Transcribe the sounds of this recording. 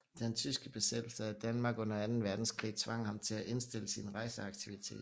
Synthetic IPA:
d̥ent͡sʰysɡ̥əb̥e̝sed̥l̩səæd̥ænmɑ̈ːɡ̥ɔ̽nɐænn̩ʋæɐd̥n̩skʰʁḭːt͡sʰʋɑ̈ŋ̰ɐhɑ̈mt͡sʰe̝læʔe̝nsd̥e̝ləsinʁɑ̈ɪsəɑ̈ɡ̥t͡sʰiʋit͡sʰe̝̰ːd̥

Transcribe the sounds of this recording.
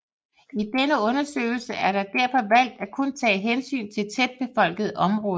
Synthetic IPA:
id̥enəɔ̽nɐsø̰ːɪl̩səʔæɐɾɑ̈d̥æɐ̰fɒ̽ʋæl̰d̥ækʰɔ̽nt͡sʰɛ̰ːɦensy̰ːnt͡sʰe̝lt͡sʰed̥̚b̥e̝fɒ̽l̰ɡ̥əð̩ˠʔɒ̽mʁɔ̽ːðˠ

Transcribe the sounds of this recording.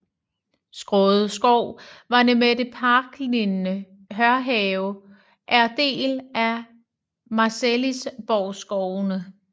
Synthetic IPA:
sɡ̥ʁɔ̽ːðˠəsɡ̥ɒʊ̰ʋɑ̈nemed̥e̝pʰɑːɡ̥linːə | ɦɶɐɦɛʊ | ʔæɐd̥e̝̰ːlæ | mɑ̈selisb̥ɒʊsɡ̥ɒʊ̰nə

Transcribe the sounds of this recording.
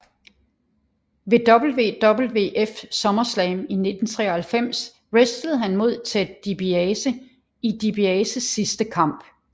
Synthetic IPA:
ʋe̝d̥ɒ̽b̥l̩ʋe̝̰ːd̥ɒ̽b̥l̩ʋe̝̰ːʔefsɒ̽mɐslɛɪmine̝d̥n̩t͡sʰʁɛ̰ːɐhælfem̰s | ʁesd̥ləð̞̩ˠɦænmo̝ð̞̰ˠt͡sʰed̥ib̥isə | id̥ib̥iɛːsəsːisd̥əkʰɑ̈m̰b̥

